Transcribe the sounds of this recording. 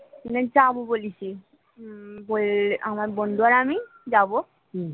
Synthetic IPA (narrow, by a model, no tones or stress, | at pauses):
nad͡zabobolisi | bolamaɾbɔnduaɾami | d͡zabo